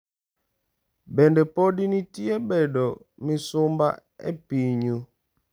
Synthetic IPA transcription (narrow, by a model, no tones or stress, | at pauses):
bɛndɛpɔdinitiɛbɛdɔ | misomba̰ɛ̰piɲu